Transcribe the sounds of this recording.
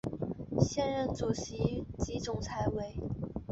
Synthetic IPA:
ɕjɛ˥˧nɻə˥˩nt͡su˨˩ɕi˧˥t͡ɕi˧˥t͡sʊ˨˩ŋt͡sʰa˧˥ɪwe˧˩ɪ

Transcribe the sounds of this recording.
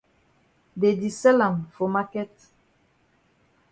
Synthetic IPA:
de˨di˨sɛ˦la˨ŋfo˨ma˦kɛ˦t

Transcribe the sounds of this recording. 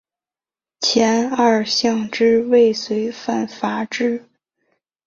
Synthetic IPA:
t͡ɕʰjɛ˧˥na˥˩ɕjɑ˥˧ŋʈ͡ʂɻ̩˥we˥˩ɪswe˧˥ɪfa˥˩nfa˧˥ʈ͡ʂɻ̩˥˩

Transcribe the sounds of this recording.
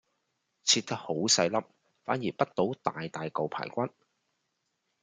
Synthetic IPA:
t͡sʰiː˧t̚t̪ːɐ˥k̚ho˨˥wsɐ˧jlɐ˥p̚ | faː˨˥njiː˨˩pɐ˥t̚t̪o˨˥wt̪aː˨jt̪aː˨jkɐ˨wpʰa̰ː˨˩jkʷɐ˥n

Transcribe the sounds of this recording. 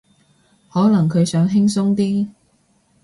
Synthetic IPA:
hɔː˨˥lɐ˨˩ŋkʰɵ˨˧ɥsœː˨˥ŋɦɪ˥ŋsʊ˥ŋt̪iː˥

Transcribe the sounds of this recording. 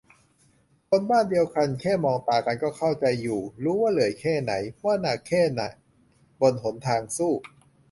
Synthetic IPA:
kʰo˧nbaː˥˩ndi˧əwka˧nkʰɛː˥˩mɔː˧ŋt̪aː˨˩ka˧nkɔː˥˩kʰa˥˩wt͡ɕa˧jːuː˨˩ɾuː˦˥waː˥˩lɯ˩˦jkʰɛː˥˩na̰˩˦jmɔ˦˥ɐ˨naː˨˩kʰɛː˥˩na̰˨˩ʔ | bo˧nɦo˩˦nt̪ʰaː˧ŋsuː˥˩

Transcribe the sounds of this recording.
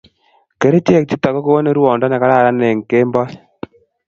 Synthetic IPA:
ke˨ɾe˦t͡ʃe˦˨k̚t͡ʃi˦ta˨kɔ˦ko˦wo˦ne˦ɾu˦wɔ˨ndɔ˦na˨ka˦ɾa˦˨ɾa˦ne˨ŋ˨ke˦mbɔ˦

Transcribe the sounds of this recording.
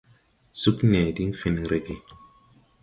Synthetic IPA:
su˦knɛ˨di˦ŋ˦fi˨nɾe˦ke˨

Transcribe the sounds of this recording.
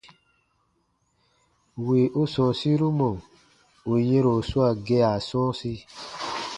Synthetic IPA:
wi˨ʔo˦sɔ̃˨si˦ɾu˦mɔ̃˨ | o˨je˦ɾo˨su˦a˦˨ɡe˧˦a˨sɔ̃˦si˧

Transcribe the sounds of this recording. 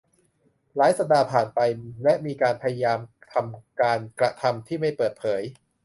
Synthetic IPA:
laː˨˦jsa˧p̚daː˧pʰaː˨˩npa˧jlɛ˦˥ʔmiː˧kaː˧npʰa˧ja˧jaː˧mt̪ʰa˧mkaː˧nkɾa˧t̪ʰa˧mt̪ʰiː˥˩ma˥˩jpɤː˨˩t̪̚pʰɤː˩˦j

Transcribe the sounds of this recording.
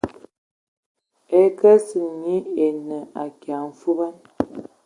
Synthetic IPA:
ɛ˨kə˦sə˨ɲi˦e˨nə˨a˨kja˨m̩˨fu˦ba˦n

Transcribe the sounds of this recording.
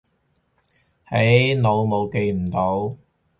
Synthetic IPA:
he˨˥jno˨˧wmo˨˧wke˧jm̩˨˩t̪o˨˥w

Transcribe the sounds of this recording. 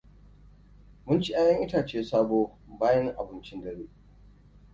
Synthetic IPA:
mʊ˦nt͡ʃi˦ʔaː˦jɐ˦ŋʔɪ˦taː˨t͡ʃeː˦saː˦boː˦baː˦jɐ˦ŋʔa˨bɨ˨nt͡ʃɪ˦ndɐ˦ɽeː˦

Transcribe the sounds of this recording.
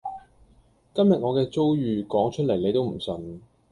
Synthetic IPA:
kɐ˥mjɐ˨t̚ŋɔː˨˧kɛː˧t͡so˥wjyː˨kɔː˨˥ŋt͡ʃʰɵ˥t̚le˨˩jne˨˧jt̪o˥wm̩˨˩sɵ˨n

